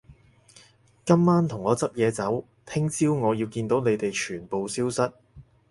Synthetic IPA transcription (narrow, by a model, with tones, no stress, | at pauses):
kɐ˥mːaː˥nt̪ʰʊ˨˩ŋːɔː˨˧t͡sɐ˥p̚jɛː˨˧t͡sɐ˨˥w | t̪ʰɪ˥ŋt͡siː˥wŋɔː˨˧ji˧wkiː˧nt̪o˨˥wne˨˧jt̪e˨jt͡ʃʰyː˨˩npo˨wsiː˥wsɐ˥t̚